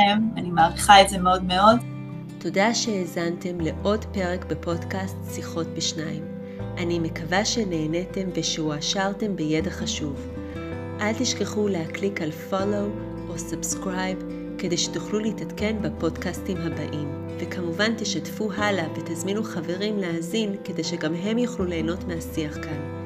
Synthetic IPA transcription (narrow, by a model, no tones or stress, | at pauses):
emanimaːʁiχaetzemeo̞dmeo̞d | to̞daʃe̞ːzante̞mle̞ʔo̞dpe̞ʁe̞kbepo̞dkastsiχo̞tbeʃnaim | ʔanime̞kavaʃe̞ne̞ːne̞te̞mveʃeuaʃaʁte̞mbeje̞daχaʃuv | ʔaltiʃke̞χulehaklikalfolo̞w | ʔosabskʁajb | ke̞de̞jʃetuχluleitatke̞nbapo̞dkastimɦaba̰ʔim | ve̞kʰamuvanteʃatfuɦalavetazminuχave̞ʁimleazinke̞de̞jʃe̞ɡamɦe̞mjuχlule̞ːno̞tmeasiaχkan